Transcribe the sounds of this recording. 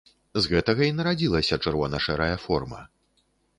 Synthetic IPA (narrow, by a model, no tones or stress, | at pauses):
zɣɛt̪ɐɣɐinɐɾad͡zʲilˠɐsʲɐt͡ʂɨrvɔnɐʂɛɾɐjɐfɔrmɐ̰